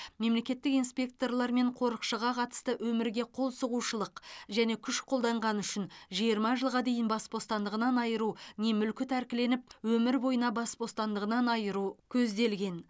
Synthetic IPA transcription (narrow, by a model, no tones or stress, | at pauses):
me̞mle̞kʲe̞t̪ːɪkijnspʲe̞k̚t̪o̞rlˠɑɾme̞ɴqʰo̞ɾəqʃəʁɑqʰɑt̪ə̥st̪əʔwɵmɪɾɡʲe̞qʰo̞lˠsəʁuʃəlˠəqʒæne̞kʲʰʏʃqʰo̞lˠd̪ɑɴʁɑnʏʃɪnʒijəɾmɑʒəlˠʁɑd̪e̞jɪnbɑsbo̞st̪ɑnd̪əʁənɑnɑjəɾune̞mʏlkʲɪt̪ʰæɾkʲɪle̞nɪp̚wɵmɪɾbo̞jənɑbɑsbo̞st̪ɑnd̪əʁənɑnɑjəɾukʲʰɵzd̪e̞lɡʲe̞n